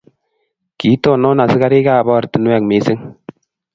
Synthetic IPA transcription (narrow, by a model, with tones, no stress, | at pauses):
ki˨˦tɔ˦˨nɔ˦na˨sɪ˦ka˦ɾi˦ka˦˨bɔ˦˨ɾti˨n˦wɛ˨kmiː˨˦sɪ˦ŋ